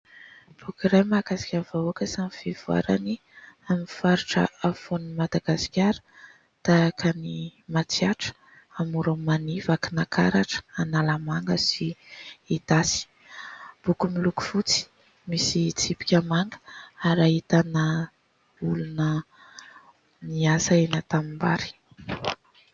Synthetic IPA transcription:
b̥ukiɾajmaɡasi̥kʲaɾvauakəsamivevua̰ɾa̰ni | amifaɾiʈ͡ʂə̰afonmad̪aɡasi̥kʲaɾə̥ | t̪akʰanimat͡siaʈ͡ʂə̥ | amuɾamanivakinakʰa̰ɾaʈ͡ʂə̥analamaŋɡəsiit̪asi̥ | b̥ukumiluku̥fut͡si̥ | misit͡sipi̥kʲamaŋɡə̥aɾaɦit̪anə | ulunə | niasaenat̪amimba̰ɾi̥

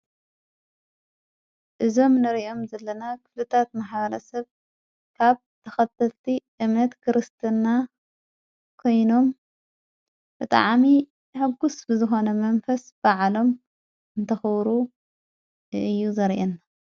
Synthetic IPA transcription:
ʔɨzo̞mnɨɾʔo̞mzɐlːɐnakʰɨ̥flɨt̪ʰat̪maħβɐɾɐsɐβ | kʰaβ | t̪ʰɐxɐt̪ʰːɐlt̪ʰiʔɨmnɐt̪kʰɨɾɨst̪ʰɨnːa | kʰo̞jno̞m | b̥ɨt̪ʼa̰ʕmi | ħɨɡːusbɨzɨxo̞nɐmɐɱfɐsb̥aʕlo̞m | ɨnt̪ʰɐxɐβɾu | ɨjːuzɐɾʔenːa

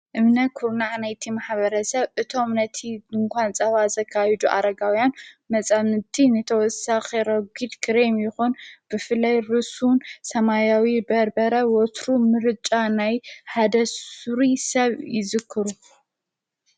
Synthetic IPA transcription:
ʔɨmnɐkʰuɾnaʕnajt̪ʰimaħβɐɾɐsɐβʔɨt̪ʰo̞mnɐt̪ʰiɨŋkʷʰant͡sʼɐβazɐkʰːajɛd͡ʒuʔa̰ɾɐɡawjanmɐt͡sʼamɨt̪ʰinɨt̪ʰɐwɔsaxeɾɐɡid̪kʰɨɾemjɪxunb̥ɨfɨlːajɾɨsunsɐmajawibɐɾbɐɾɐwɔt̪ɾumɨɾt͡ʃʼanajħad̪ɐsuɾisɐβjɪzɨkʰːɨɾu

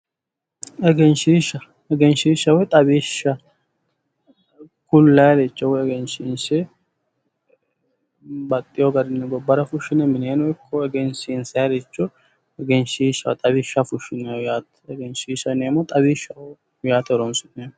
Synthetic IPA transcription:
ɛɡɛnʃiːʃɐ | ɛɡɛnʃiːʃːɐwɛt̪ʼɐbiːʃɐ | kʊlːɐjɐdet͡ʃːɔwɛɡɛnʃinsɛ | bɐt̪ʼːɪjoɡɐɾɪnːɛɡɔbːɐɾɐfʊʃːɪnɛmɪneːnʊɛkʰːɔɛɡɛnsiːnsɐjɐd̪et͡ʃːɔ | ɛɡɛnʃiːʃːɐwɛt̪ʼɐbɪʃːɐfʊʃɪnɛjaːt̪ | ɛɡɛnʃiːʃɐneːmːɔt̪ʼɐbiːʃɐ | jaːt̪ɔɾɔnsʊnːeːm

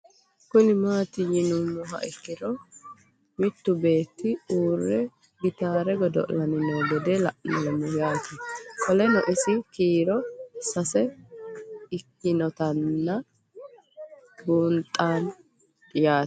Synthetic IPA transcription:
kʊnɪmaːt̪ɪjɪnʊnːʊɦɐ̰ʔɪkːɪɾɔ | mɪt̪ːʊbe̞ːt̪ːɪuːrːɛ | ɡɪt̪aːɾɛɡɔd̪ɔ̰ʔlɐnɪnoːɡɛd̪ɛlɐʔnɔlɛmɔjaːt̪ɪkʰɔlɛnɔʔɪsɪkiːɾɔsɐsɛ | ɪkːɪnɔt̪ɐnːɐ | ɡuːnt̪ʼːaːn | dɪjaːt

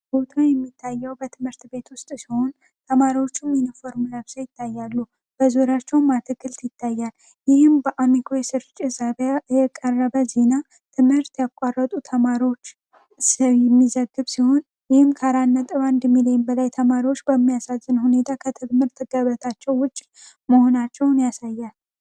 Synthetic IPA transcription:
b̥o̞t̪ʰajɛmːit̪ʰːajːɛwbət̪ʰɨmhɨɾt̪be̞t̪wʊst̪ʼsiho̞n | t̪ʰəmaɾiwo̞t͡ʃːuminifo̞ɾmnəβsajɪt̪ːajːalːu | b̥əzoɾat͡ʃːɛwmːat̪ʰɨɡɨlt̪jɪt̪ʰːajːal | jɪhɨmbəʔamikʰojɛsɨɾt͡ʃʼɪzaβajɛkʼərːəβəzena | t̪ʰɨmhɨɾt̪jakʷʼarːət̪ʼut̪ʰəmaɾiwo̞t͡ʃː | səwjɛmːizəɡːɨβsiho̞n | jɪhɨmkʰaɾanːət̪ʼɨβand̪milijmbəlajt̪ʰəmaɾiwo̞t͡ʃːbəmːijasazːɨnhune̞t̪ʰakʰət̪ʰɨɡmɨɾt̪ʰɨɡaβət̪ʰat͡ʃːɛwːʊt͡ʃʼː | məho̞nat͡ʃːɛwnjasajːal

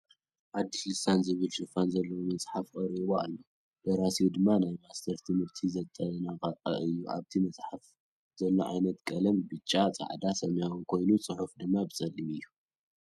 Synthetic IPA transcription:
ʔad̪ːiʃɨsanzɨβɨlʃɨfanzɐlːɐwomɐsʼħafkʼɐɾiβoa̰lːo | b̥ɐɾasiud̪ɨmːanajmast̪ʰɐɾt̪ʰɨmɨɾt̪ʰizɐt̪ʼːɐlɐnakʼat̪ʼɐ̰ʔɨjːuʔa̰βt̪ʰimɐsʼħaf | z̥ɐlːoʕa̰jnɐt̪kʼɐlɐmbɨt͡ʃʼːat͡sʼa̰ʕd̪asɐmjawunkʰo̞jnut͡sʼɨħufd̪ɨmːabɨsʼɐlːimɨjːu

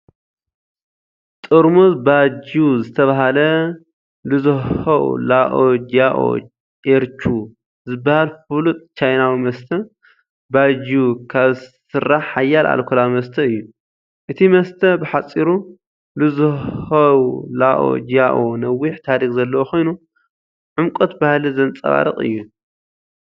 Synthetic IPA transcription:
t̪ʼɨɾmuzbad͡ʒuzɨt̪ʰɐβaɦalɐ | lɨzɨhɐṵlaʔod͡ʒaʔo̰ | ʔeɾt͡ʃʰu | zɨbːahalfɨlut̪ʼt͡ʃʰajnawimɐst̪ʰɐ | bad͡ʒukʰaβsɨɾːaħħajːalʔa̰lkʰulawmɐst̪ʰɐɨjːu | ʔɨt̪ʰimɐst̪ʰɐbɨħat͡sʼːiɾu | lɨzɨhɐwlaʔo̰d͡ʒaʔonɐwːiħt̪ʰaɾixzɐlːɐwoxʰo̞jnu | ʕumkʼot̪bahlizɐnt͡sʼɐ̰βa̰ɾɨ̰χʼɨ̰jːu

